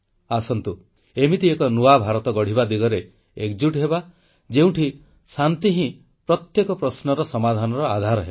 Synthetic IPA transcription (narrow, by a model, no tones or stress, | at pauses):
asɔnt̪u | emit̪iekɔnuabʱaɾɔt̪ɔɡɔɽ̤ibad̪iɡɔɾe | ekd͡ʒuʈɦeba | d͡ʒeũʈʰi | sant̪iɦĩ | pɾɔt̪jekɔpɾɔsnɔɾɔsɔmad̪ʱanɔɾɔad̪ʱaɾɔɦeba